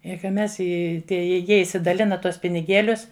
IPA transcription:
ɪ kɐ ˈmʲɛs ˈɪ ˈtʲiɛ ɪ ˈjiɛ ɪʃʲsʲɪdɐˈlʲɪnɐ ˈtuɔs pʲɪnʲɪˈɡʲeːlʲʊs

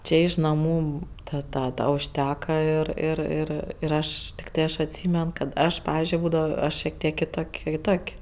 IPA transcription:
ˈt͡ʃʲeː ɪʃ nɐˈmuː ˈtɐt ˈtɑː dɐ ʊʃʲˈtʲæːkɐ ɪr ɪr ˈɪr ɪr ˈɐʃ tʲɪkˈtɐɪ ˈɐʃ ɐtʲˈsʲiːmʲɛn kɐt ˈɐʃ ˈpɑːʋʲɪzʲd͡ʒʲʊɪ ˈbuːdɐʋoː ˈɐʃ ʃʲiɛk ˈtʲiɛk kʲɪˈtoːkʲ kʲɪˈtoːkʲ

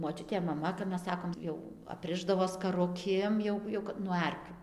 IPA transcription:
moːˈt͡ʃʲʊtʲeː mɐˈmɐ kɐp ˈmʲɛs ˈsɑːkoːm ˈjɛʊ ɐpʲˈrʲɪʒdɐʋoː skɐrʊˈkʲeːm jɛʊ jɛʊ kɐt nuɔ ˈɐrʲkʲuː

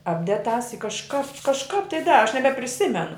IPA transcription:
ˈɑːbʲdʲɛt tɑːs ɪ kɐʃˈkɑːp kɐʃˈkɑːp tɐɪ ˈdɑːrɐ ɐʃ nʲɛbʲɛpʲrʲɪˈsʲɪmʲɛnʊ

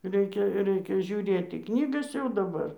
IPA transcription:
ˈrʲɛɪkʲɛ ˈrʲɛɪkʲɛ ʒʲuːˈrʲeːt iː ˈknʲiːɡɐs jɛʊ dɐˈbɐr

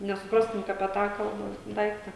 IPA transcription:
nʲɛsʊˈprɑːstʊm kɐ ɐpʲiɛ ˈtɑː ˈkɐlˠbɐ ˈdɐɪktɐ

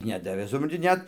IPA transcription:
ˈnʲæːdɐʋʲeː sʊprɐnʲˈtʲɪ ˈnʲɛt

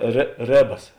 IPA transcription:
rʲeː ˈrʲeːbɐs

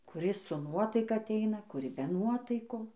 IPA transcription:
kʊˈrʲɪs sʊ ˈnuɔtɐɪkɐ ɐˈtʲɛɪnɐ kʊˈrʲɪ bʲɛ ˈnuɔtɐɪkoːs

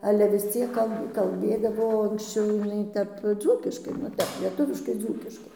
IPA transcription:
ˈɑːlʲɛ ʋʲɪs ˈt͡sʲiɛk ˈkɐlˠ kɐlʲˈbʲeːdɐʋoː ɐŋksʲˈt͡ʃʲɛʊ jɪˈnɐɪ ˈtʲɛp ˈd͡zuːkʲɪʃkɐɪ ˈnʊ ˈtʲɛp lʲiɛˈtʊʋʲɪʃkɐɪ ˈd͡zuːkʲɪʃkɐɪ

